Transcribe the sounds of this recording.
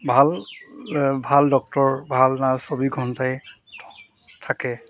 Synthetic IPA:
bʱal | bʱaldɔk̚tɔɹbʱalnasobiɡʱɔntaj | tʰ | tʰakɛ

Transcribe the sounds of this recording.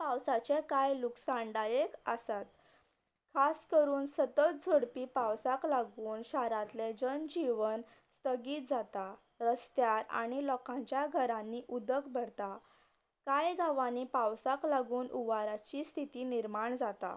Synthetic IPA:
pawsat͡sekajluksãnɖajekəsat̪̚ | kʰaskəɾuːnsət̪ət̪̚d͡zʱəɽpiːpawsaklaɡuːnɕaɾat̪led͡ʑənd͡ʑiʋənst̪əɡiːt̪̚d͡zat̪a | ɾəst̪jaɾa̰ɽ̃ilɔkãɲt͡ɕjaɡʱəɾãnːiːʔud̪əkbʱəɾt̪a | kajɡʱaʋaniːpawsaklaɡuːnʔuʋaɾat͡ɕiːst̪ʰit̪iːniɾmaɳd͡zat̪a̰

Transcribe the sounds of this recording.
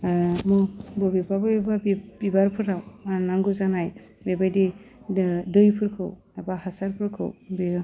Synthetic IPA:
mɔbɔbibabɯbibabbibaɾpʰɯɾawnaŋɡuzanaj | bebajdi | dɯjpʰɯɾkʰɯ̰w | abahasaɾpʰɯɾkʰɯ̰wbi

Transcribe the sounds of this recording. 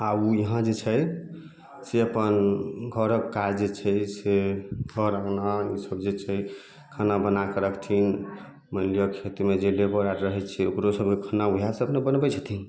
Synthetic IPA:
aujiɦãd͡ʒet͡ʃʰəj | seəpənɡʱəɾəkːad͡ʒd͡ʒet͡ʃʰɛjseɡʱəɾəknaisəbd͡ʒet͡ʃʰɛj | kʰanabənakəɾəkt̪ʰin | mənlijəkʰet̪med͡ʒelebəɾaɾɾəɦɛt͡ʃʰɛokɾosəb̚ʱkekʰanaujasəbnebənbɛt͡ʃʰət̪ʰi

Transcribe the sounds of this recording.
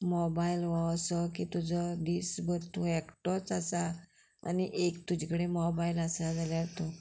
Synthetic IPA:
mɔbajilʋɔsəkit̪ud͡zʱəd̪iːsbʱəɾt̪ũɛkʈɔt͡sasa | a̰niʔekt̪ud͡ʑikəɽemɔbailasad͡zaljaɾt̪o

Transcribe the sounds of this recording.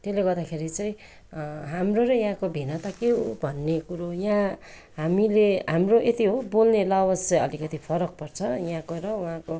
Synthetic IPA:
t̪eleɡʌrd̪akʰeɾit͡saĩ | ɦamroɾʌj̃ɦãkobʱinʌt̪akeɦobʱʌnːekuɾojã | ɦamileɦamroʔet̪iɦobolnelʌwʌsʌʌlikʌt̪ipʰʌɾʌk̚pʌrt͡sʰʌjɦãkoɾʌwɦãko

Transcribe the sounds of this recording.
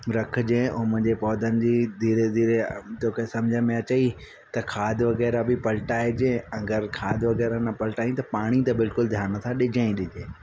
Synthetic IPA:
ɾɐkʰd͡ʑẽːʊmʊ̃ɦɲd͡ʑepɔːd̪ʱənɪ̆d͡ʑiːd̪ʱiːɾed̪ʱiːɾet̪oːkesɐ̃md͡ʑʱəmẽɐt͡ɕəi | t̪ɐkʰaːd̪ʱʋɐɣɛːɾabɪpɐlʈaːɦed͡ʑẽːɐɡəɾkʰaːd̪ʱʋɐɣɛːɾanɐpɐlʈaːĩt̪ɐpaːɽ̃it̪ɐbɪlkʊld̪ʱjaːñət̪ʰaɗɪd͡ʑʱə̃ĩɗɪd͡ʑẽː

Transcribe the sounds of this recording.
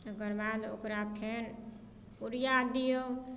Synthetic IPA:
ɡəɾbad̪o̰kɾapʰen | puɾjad̪ijo

